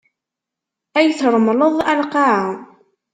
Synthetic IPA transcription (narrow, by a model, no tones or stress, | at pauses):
æjθəɾˤmləðˤælqɑʕa